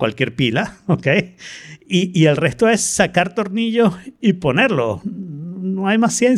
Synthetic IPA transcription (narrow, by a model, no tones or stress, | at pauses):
kwa̰lkje̞ɾpilaokej | iielre̞st̪oe̞sːakaɾt̪o̞ɾniʝo̞ipo̞ne̞ɾlo̞̰ | noajmasːjen